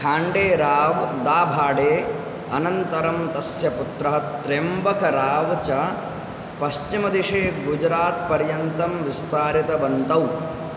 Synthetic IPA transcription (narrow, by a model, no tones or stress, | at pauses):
kʰaːɳɖeːɾaːʋd̪aːbʱaːɖeː | ɐnɐnt̪ɐɾɐmt̪ɐsjɐput̪ɾɐɦɐt̪ɾembɐkɐɾaːʋt͡ʃɐ | pɐʃt͡ʃimɐd̪iʂeːɡud͡ʒɾaːt̪̚pɐɾjɐnt̪ɐmʋist̪ʰaːɾit̪ɐʋɐnt̪ɐw